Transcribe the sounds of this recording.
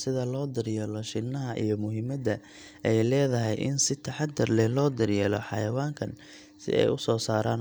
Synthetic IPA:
sɪðɐlɔːd̪ɐrjɛːlɔʃɪnːɐɦɐʔḭjɞmʊɦɪmɐd̪ɐ | ʔɛjlɛːðɐɦɛjʔɪ̰nsɪt̪ʰɐħɑd̪ːɐrlɛlɔːd̪ɐrjɛːlɔ̰ħɑ̰jɐwaːŋkʰɐn | sɪ̰ʔɛ̰jʊsɔːsaːɾaːn

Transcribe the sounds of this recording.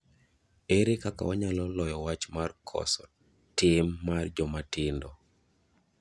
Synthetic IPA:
eɾekaka̰ɔɲalɔlɔjɔwat͡ʃmarkʰɔ̰sɔ | tɪmːard͡ʒɔmatɪndɔ

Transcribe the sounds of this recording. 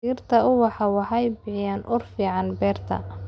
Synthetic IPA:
iːrt̪ʰɐʊwɑħɑwɑħɑjbɪʕɪjaːnʔʊrfiːʕɑnbɛːrt̪ʰɐ̰

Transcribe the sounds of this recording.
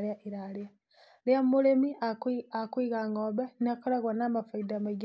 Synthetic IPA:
ɾjaʔiɾaɾia | ljammulemiakwiɣaŋɡobeniakoɾaɣwanamafaidamaɡ

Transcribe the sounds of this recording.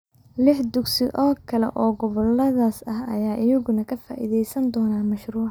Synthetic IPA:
lɪħd̪ʊɡsɪʔɔːkʰɐlɛ̰ʔɔːɡɔβɐlːɐðaːsɐhɐ̰jaːʔɪjɐɣʊnɐkʰɐfa̰ːʔḭːðɛjsɐnd̪ɔːnaːmɐʃruːʕ

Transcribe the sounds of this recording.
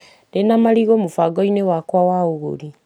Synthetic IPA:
denamaɾiɣomofaɡɔinewakwawaoɣo̰ɾi

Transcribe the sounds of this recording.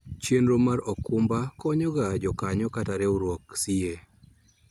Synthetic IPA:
t͡ʃjenɾomaɾɔkumbakɔɲɔɡad͡ʒɔkaɲɔkataɾɛuɾwoksie

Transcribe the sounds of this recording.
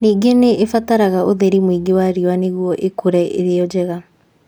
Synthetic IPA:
niːɡeneʔːfataɾaɣaʔoðeɾimwiɡewaɾiwaneɣwɔʔekoɾɛʔḛɾeɔd͡ʑɛɣa

